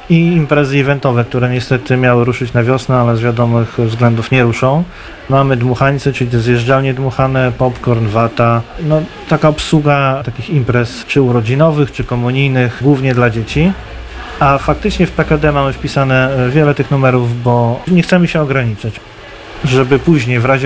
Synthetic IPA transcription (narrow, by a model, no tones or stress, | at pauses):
iːmpɾɛzɘivɛnt̪ɔvɛk̚t̪uɾɛɲɛst̪ɛt̪ɘmʲjawɘɾuʂɘt͡ɕnavʲjɔsnɛalɛzvʲjad̪ɔmɘxvzɡlɛnd̪ufɲɛɾuʂɔ̃w̃ | mamɘd̪muxaɲʲt̪sɛt͡ʂɘlʲit̪ɛzjɛʐd͡ʒalɲɛd̪muxanɛpɔpkɔɾnvat̪anɔ | t̪akaɔpswuɡat̪akʲiximpɾɛst͡ʂɘuɾɔd͡ʑinɔvɘxt͡ʂɘkɔmuɲijnɘxɡwuvɲɛd̪lad͡ʑet͡ɕi | afakt̪ɘt͡ʂɲɛfpɛkad̪ɛmamɘfpʲisanɛvʲjɛlɛt̪ɘxnumɛɾuvbɔɲɛxt̪sɛməɕɛɔɡɾaɲit͡ʂat͡ɕ | ʐɛbɘpuʑɲejvɾaʑɛ